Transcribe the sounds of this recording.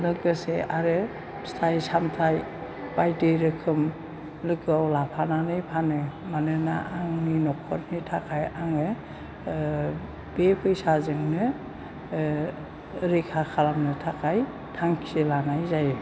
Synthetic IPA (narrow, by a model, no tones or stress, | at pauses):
nɯkɯsḛʔaɾɯ | stʰajsamtʰaj | b̥ajdɯɾɯkʰɯm | lɯkɯawlapʰananɯjpʰanɯmanɯna̰ʔːŋninɔkʰːɔɾnitʰakʰajaŋɯ | b̥epʰɯjsazɯŋnɯ | ɾikʰakʰalamnɯtʰakʰaj | tʰaŋkʰielanajzaj